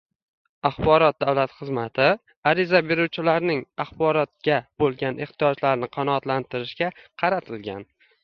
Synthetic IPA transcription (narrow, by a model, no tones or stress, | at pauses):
ɑχbɒɾɒt̪̚d̪avlat̪χɨzmat̪ʰɪ | aɾɪzabeɾuwt͡ʃʰɪlaɾnɪŋaχbɒɾɒt̪̚ɡʲabolˠɡʲanʔɪχt̪ʰijɒd͡ʒlaɾnɪqʰɑnɒːt̪lant̪ʰɪɾɪʃɡʲaqʰɑɾat̪ʰɪlɡʲa̰n